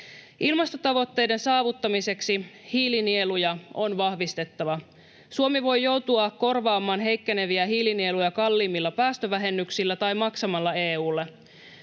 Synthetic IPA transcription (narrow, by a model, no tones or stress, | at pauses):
ʔilmɑst̪o̞t̪ɑʋo̞t̪ːe̞jde̞nsɑːʋut̪ːɑmise̞ksihiːlinielujɑʔo̞nʋɑhʋist̪e̞t̪ːɑʋɑ | suomiʋo̞jːo̞wt̪uɑko̞rʋɑːmɑːnɦe̞jkːene̞ʋiæɦiːlinielujɑkɑlːiːmːilːɑpæːst̪øʋæɦe̞nːyksilːæt̪ɑjmɑksɑmɑlːɑe̞ːuːlːe